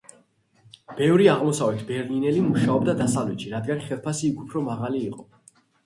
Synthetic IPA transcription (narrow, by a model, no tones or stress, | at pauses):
b̥ɛvɾiaʁmɔsavɛt̪ʰbɛɾlinɛlimuʃaɔbd̪ad̪asavlɛt̪ʃiɾad̪ɡanχɛlˠpʰasiːkʰupʰɾɔmaʁaliːqʼɔ